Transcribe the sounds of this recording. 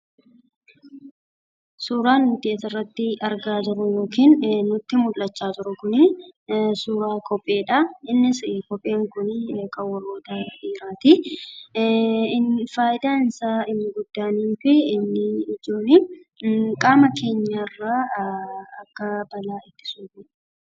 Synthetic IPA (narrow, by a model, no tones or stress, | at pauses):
suːɾaːnːʊt̪ɪeːsɐrːɐt̪ːɪɐɾɡaːt̪ʊɾʊjo̞ːkiːnːʊt̪ːɪmʊlːɐt͡ʃːaːt̪ʊɾʊkʊnɪ | suːɾaːkɔpʼːe̞ːᶑɐɪnːɪskɔpʼːe̞ːŋkʊnkʼɐwɐroːt̪aːɐɪɾaːt̪i | ɪfaːjɪd̪aːɪnsaːɪnːɪɡʊd̪ːaːniːfɪːnːɪːd͡ʒoːnɪ | kʼaːmɐkʰe̞ːɲːarːaː | ɐkːɐbɐlaːɪt̪ːɪ̥suːfɪ